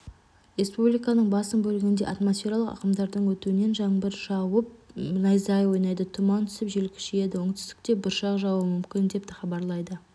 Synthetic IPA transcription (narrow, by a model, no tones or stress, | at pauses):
ɾe̞spublijkɑnəɴbɑsənbɵlɪɡʲɪnd̪e̞̰ʔat̪mo̞sfʲe̞ɾalˠəqɑ̰qəmd̪ɑɾd̪əɴwɵt̪uɪne̞nʒɑɴbɪɾʒɑwəp̚nɑjzɑjwojnɑjd̪ət̪ʰʊmɑnt̪ʰʏ̥sɪpʒelkʲʰɪ̥ʃɪje̞d̪ɪwoɴt̪ʰɪ̥st̪ɪ̥kt̪e̞bʊɾʃɑqʒɑwəmʏmkʲɪnd̪e̞p̚t̪ɪχɑbɑɾlˠɑjd̪ə